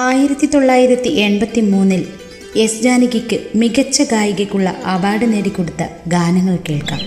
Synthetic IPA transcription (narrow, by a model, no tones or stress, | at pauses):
aːjiɾɐt̪ːit̪o̞ɭːaːjiɾɐt̪ːiʔe̞ɳbɐt̪ːimuːnːil | e̞sd͡ʑaːniɣɐkʲːɨmiɡɐt͡ɕːɐɡaːjiɣɐkʲːuɭːɐ̰ʔɐʋaːɽɨneːɽikːo̞ɽut̪ːɐ̰ɡaːnɐŋːɐɭkeːɭka̰ːm